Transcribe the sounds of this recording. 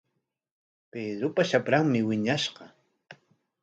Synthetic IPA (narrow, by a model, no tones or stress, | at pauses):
ped̪ɾʊpaʃapɾaŋmɪwɪɲaʃqɑ